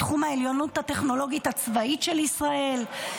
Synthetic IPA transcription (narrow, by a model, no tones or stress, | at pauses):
tχumae̞ljo̞nuthate̞χno̞lo̞ɡithat͡svaitʃe̞lisʁae̞l